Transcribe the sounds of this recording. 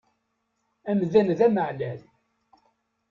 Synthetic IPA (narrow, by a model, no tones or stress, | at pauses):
æmðænðæməʕlæl